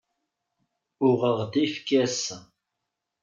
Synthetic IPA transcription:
ʊʁəʁd̪ifkːæs

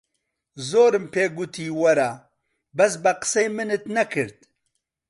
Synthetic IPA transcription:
zoːɾɨmpʰeːɡut̪ʰiːwɐɾa | bɐsbɐqə̥sejmɨnɨt̪nɐkʰɨɾd̪̚

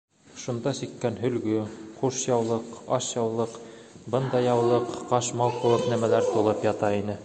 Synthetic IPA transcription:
ʃund̪ɑsikːænɦɵ̆lɡɵχuʃjɑwlˠɤqɑʃjɑwlˠɤq | bɤnd̪ɑjɑwlˠɤqːɑʃmɑlˠqulˠɤqnæmælæɾt̪ulˠɤpjɑt̪ɑinɘ

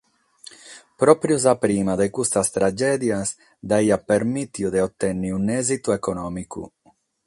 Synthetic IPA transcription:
pɾɔpɾjuzapɾimad̪ekust̪ast̪ɾad͡ʒɛd̪jas | d̪aiapeɾmit̪jud̪eot̪ːɛnːiunɛzit̪uekonɔmikṵ

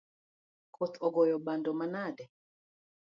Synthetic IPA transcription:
kʰɔt̪ɔɡɔjɔɓandɔmanadɛ

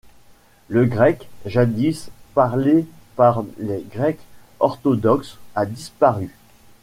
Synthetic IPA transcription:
ləɡʁɛkʒad̪ispaʁlepaʁleɡʁɛk | ɔʁt̪ɔd̪ɔksad̪ispaʁy

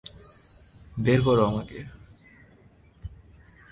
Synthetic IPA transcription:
beɾkɔɾoamake

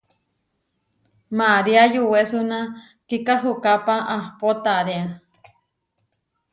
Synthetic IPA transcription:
maɾiajuwesuna | kikaɦukapaʔahpot̪aɾea

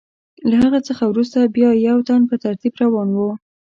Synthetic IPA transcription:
laɦaɣət͡səxawɾust̪abjɑjawt̪anpət̪aɾt̪ibɾawɑnwu

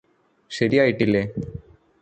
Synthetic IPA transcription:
ɕɐɾijaːjiʈːilːeː

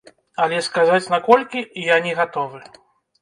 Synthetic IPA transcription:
alʲɛskazat͡sʲnakɔlʲkʲijanʲɛɣat̪ɔvɨ

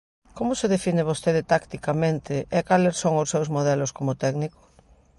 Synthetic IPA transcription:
komʊseðefineβ̞ost̪eðet̪akt̪ikamẽnt̪ɪʔekaleɾsoŋosːewzmoðɛloskomot̪ɛɡnikʊ̥

